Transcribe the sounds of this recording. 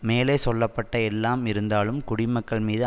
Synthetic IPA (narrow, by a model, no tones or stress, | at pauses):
meːleːsɔlːɐpːɐʈːɐɛlːaːmɪɾɯnd̪aːlɯmkʊɽɪmɐkːɐɭmiːðɯ